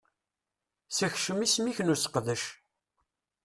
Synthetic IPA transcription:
səçʃəmismiçnusə̥qðəʃ

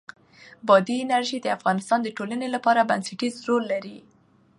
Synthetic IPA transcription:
bɑd̪iɪnaɾʒid̪əafɣɑnɪst̪ɑnd̪əʈolanelapɑɾabansaʈizɾolːaɾi

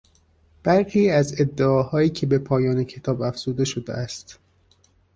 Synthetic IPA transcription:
b̥æɾxiːæze̞d̪ːeɒːhɒːjiːcʰe̞be̞pʰɒːjɒːnecʰe̞t̪ʰɒːbæfz̥uːd̪e̞ʃo̞d̪ḛʔæst̪

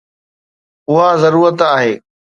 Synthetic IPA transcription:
ʊɦazəɾuːɾət̪aːɦeː

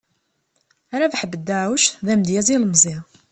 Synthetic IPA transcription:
aɾavħəbːəd̪ːaʕwəʃðæmd̪jæziləmzˤi

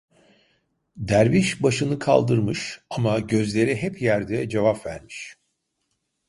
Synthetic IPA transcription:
d̪æɾviʃbaʃɯnɯkʰa̰lˠd̪ɯɾmɯʃamaɟø̞zlʲe̞ɾiɦɛpjæɾd̪ɛd͡ʒevapvæ̰ɾmiʃ

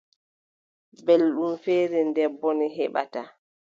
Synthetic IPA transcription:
belɗumfeːɾɛndɛbːɔniɦɛɓa̰ta

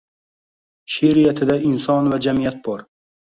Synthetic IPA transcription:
ʃeɾɪjat̪ʰɪd̪aɪnsɒnvad͡ʒamijat̪̚bɒɾ

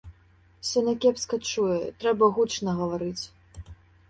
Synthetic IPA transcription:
sʲɐnakʲɛpskɐt͡ʂujɛt̪ɾɛbɐɣut͡ʂnɐɣɐvaɾɨt͡sʲ

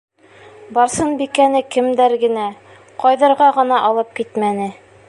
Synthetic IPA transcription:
bɒɾsɤnbikænɘkɘ̆md̪æɾɡɘ̆næ | qɒjðɤ̆ɾʁɑʁɤ̆nɑʔɒlˠɤp̚kit̪mænɘ

